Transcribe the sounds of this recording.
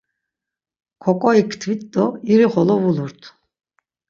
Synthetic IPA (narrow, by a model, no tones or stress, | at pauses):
kʰɔkʼɔikʰt̪ʰvit̪d̪ɔiɾiχɔlɔvuluɾt̪ʰ